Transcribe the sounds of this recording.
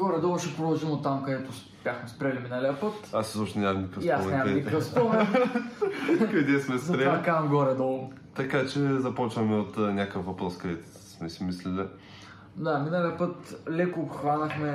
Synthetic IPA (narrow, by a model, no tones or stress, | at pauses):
ɡɔɾɛd̪ɔlˠʃɛpɾod̪ɐlˠʒimot̪amkɐd̪ɛt̪ʊspʲjaxmɛspɾʲɛliminɐliəpət̪aszɔpʃt̪ɛnʲamnikəiasmɛnʲɲamikəfspɔmɛ | kɐd̪ɛsmɛspɾɛakamɡɔɾɛd̪ɔlˠ | t̪ɐkat͡ʃɛzɐpɔt͡ʃvɐmɛot̪nʲakəfvɐpɾɔskɐd̪ɛt̪ | smɛsimislili | d̪aminɐlʲiəpət̪lɛkoxvanɐxmɛ